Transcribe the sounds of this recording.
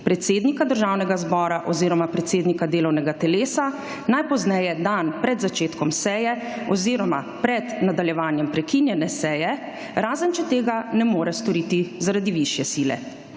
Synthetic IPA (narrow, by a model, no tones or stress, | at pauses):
pɾɛt̪seːd̪nikad̪əɾʒaːwnɛɡazbɔːɾaʔɔziːɾɔmapɾɛt̪seːd̪nikad̪eːlɔwnɛɡat̪ɛleːsa | najpɔznɛjɛd̪anpɾɛd̪zat͡ʃeːt̪kɔmsɛːjɛ | ɔziːɾɔmapɾɛd̪nad̪aljɛʋaːnjɛmpɾɛkinjɛnɛsɛːjɛ | ɾaːzənt͡ʃɛt̪eːɡanɛmoːɾɛst̪ɔɾiːt̪izaɾad̪iʋiʃjɛsiːlɛ̰